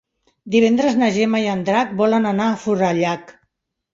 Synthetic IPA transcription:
d̪iβ̞ɛnd̪ɾəznəʒemajand̪ɾak̚bɔlənənaːfuɾaʎak

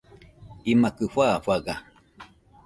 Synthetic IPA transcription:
imakɨɸaɸaɡa

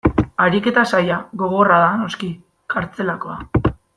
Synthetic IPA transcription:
aɾike̞t̪asajaɣo̞ɣ̞o̞raðano̞ski | kaɾt͡se̞lako̞a

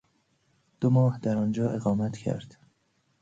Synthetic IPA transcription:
d̪̥omɒːhd̪æɾɒːnd͡ʒɒːʔeɣɒːmæt̪cʰæ̰ɾd̪̥

